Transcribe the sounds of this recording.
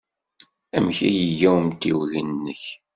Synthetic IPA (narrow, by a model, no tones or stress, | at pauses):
æmçæjəʝæwəmt̪ːiwʝənːəç